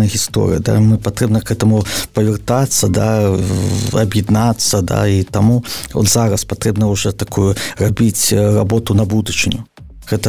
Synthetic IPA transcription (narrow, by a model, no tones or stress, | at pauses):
jɐɣʲist̪ɔ̰ɾɨ̰jɐd̪a̰mɨpat̪ɾɛbnɐkɛt̪ɐmupɐvʲɪrt̪at̪sːɐd̪a̰ | ɐ̰bjɛd̪nat̪sːɐd̪a̰it̪amuɔ̰zaɾɐspat̪ɾɛbnɐuʐɔt̪akujurabʲit͡sʲrabɔt̪unɐbud̪ut͡ʂɨnʲu | ɣɛt̪ɐ